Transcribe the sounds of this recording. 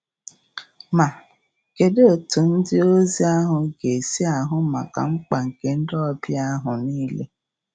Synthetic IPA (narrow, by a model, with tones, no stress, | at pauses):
ma˨ | ke˨de˦o˨tu˨n̩˦dɪ˦o˦zi˦a˦ɦʊ˨˦ɡe˨si˦a˨ɦʊ˦ma˨ka̰˨ŋ͡m̩˦k͡pa˨ŋ̩˨ke˨n̩˦dɔ˦bja˦ɦʊ˨niː˦le˦